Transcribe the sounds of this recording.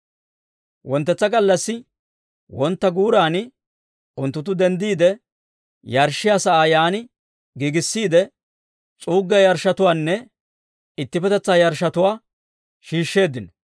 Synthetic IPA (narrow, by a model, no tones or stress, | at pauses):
wɔnt̪ːɛt͡sːɐɡɐlːɐsːɪ | wɔnt̪ːɐɡuːɾaːnɪ | ʊnt̪ːʊt̪̬ːʊd̪ɛnd̪iːd̪ɛ | jɐɾʃɪjasɐaːjaːnɪ | ɡiːɡɪsːiːd̪ɛ | t͡sʼuːɡːɛjɐɾʃːɐt̪ʊwaːnːɛ | ɪt̪ːɪpɛt̪ɛt͡sːaːjɐɾʃɐt̪ʊwaː | ʃiːʃːe̞ːd̪ɪn